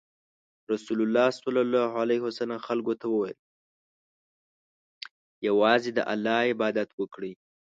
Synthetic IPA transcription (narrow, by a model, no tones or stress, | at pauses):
ɾasulʊlːɑsalɑlɑhalahwasalamxalɡot̪awəwajəl | jawɑzed̪ə̰ʔalːɑɪbɑd̪at̪wəkɽi